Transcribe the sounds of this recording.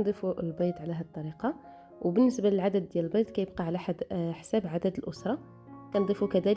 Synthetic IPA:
nd̪ˤifuəlbɑjt̪ˤʕlæɦæt̪ˤːɑɾiqɑ | wbənːəsbaləlʕad̪əd̪ːjæləlbɑjt̪kæjəb̚qɑʕlæħad̪ħsæbʕad̪æd̪əlʔʊsɾˤɑ | kænd̪ˤifukæd̪æl

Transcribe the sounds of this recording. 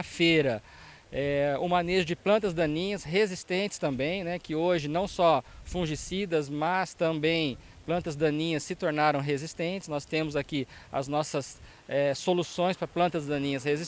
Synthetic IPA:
feɾɐ | ɛʊmaneʒʊd͡ʒɪplɐ̃nt̪ɐzd̪ɐ̃nĩɲɐsɦezist̪ẽnt͡ʃɪ̥st̪ɐ̃mbẽj̃nɛkɪoʒɪnɐ̃w̃sɔfũʒisid̪ɐzmɐst̪ɐ̃mbẽj̃ | plɐ̃nt̪ɐzd̪ɐ̃nĩɲɐsːɪt̪oɾnaɾɐ̃w̃ɦezist̪ẽnt͡ʃɪ̥snɔst̪ẽmʊzaki | ɐ̰znɔsɐs | ɛsolusõj̃spɾɐplɐ̃nt̪ɐzd̪ɐ̃nĩɲɐshezi

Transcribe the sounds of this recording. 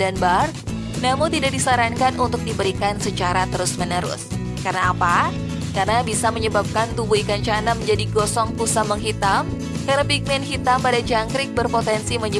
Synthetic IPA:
danbar | namʊŋt̪idak̚disaɾankanʔunt̪ʊk̚dibəɾikansət͡ʃaɾat̪əɾʊsmənəɾʊ̰s | kaɾənaːpa | karənabisaməɲəbap̚kant̪ubuikaɲt͡ʃanaməɲd͡ʒadiɡosɔŋpusaməŋɦit̪am | karnapik̚mɛnhit̪ampadad͡ʒaŋkɾɪk̚bərpot̪ɛnsiməɲə

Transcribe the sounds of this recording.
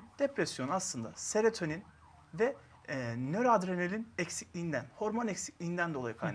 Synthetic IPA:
d̪̥epɾɛsjo̞naslˠɯnd̪a̰seɾet̪ʰønin | vɛ | nøɾad̪ɾenelʲinɛcsiclʲijːnd̪ænho̞ɾmonɛcsi̥clʲijind̪ænd̪oajɯkʰajn

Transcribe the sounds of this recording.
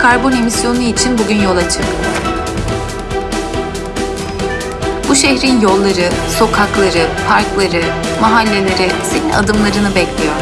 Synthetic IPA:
kʰaɾbone̞misjo̞nuit͡ʃʰinbuɟʲynjo̞lˠat͡ʃʰɯk̪oɾ | buʃeçɾinjo̞lˠːaɾɯso̞kʰaklˠaɾɯpʰaɾklˠaɾɯmaɦalʲːe̞lʲe̞ɾise̞nina̰d̪ɯmlˠaɾɯnɯbɛclʲijoɾ̥

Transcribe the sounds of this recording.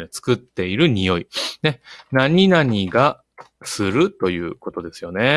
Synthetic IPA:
ɲot͡sɨ̥kɯt̪ːe̞iɾɯ̟ɲ̟ijo̞ine̞naɲ̟inaɲ̟iɡa | sɨɾɯ̟t̪o̞jɯ̟̰ːko̞t̪o̞d̪e̞sɨ̥jo̞ne̞

